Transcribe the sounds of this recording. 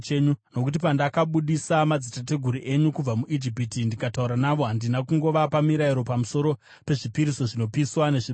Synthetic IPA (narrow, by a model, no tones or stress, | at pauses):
eɲuno̞kut̬ipandakaɓuɗisamad͡zitate̞ɡʱuɾiʔe̞ɲukub͡vamuʔid͡ʒipitindikatauɾanaʋo̞ɦandinakuŋɡo̞ʋapamiɾaiɾo̞pamuso̞ɾo̞ | pe̞ʐipiɾiso̞ʐino̞piswane̞ʐi